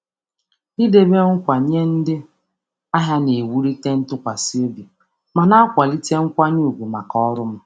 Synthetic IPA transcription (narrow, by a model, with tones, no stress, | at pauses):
i˦de˦be˦ŋ̩˦kʷa˨ɲe˦n̩˦dɪ˦ | a˦ɦja˦ne˨wu˦ɾi˦te˦n̩˦tʊ˦kʷa˨si˦e˦bi˨ | ma˨na˦a˦kʷa˨li˦te˦ŋ̩˦kʷa˦ɲu˦˨ɡʷu˨ma˨kɔ˦ɾʊ˦m̩˦